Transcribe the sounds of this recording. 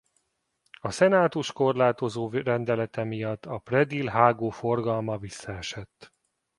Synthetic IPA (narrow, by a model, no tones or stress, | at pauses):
ɒsɛnaːt̪uʃko̞rlaːt̪o̞zoːrɛnd̪ɛlɛt̪ɛmijɒt̪ːɒprɛd̪ilɦaːɡoːfo̞rɡɒlmɒvisːɒɛʃɛt̪ː